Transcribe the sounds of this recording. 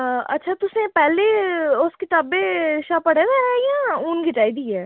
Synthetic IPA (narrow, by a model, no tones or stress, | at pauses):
ɐ̰tːʃʰat̪ʊsnepɛːleʊskeʈɐbeʃaːpɐɽed̪eɾaːiɦɛ̃uːnɡʱɪʈaːid̪iɛː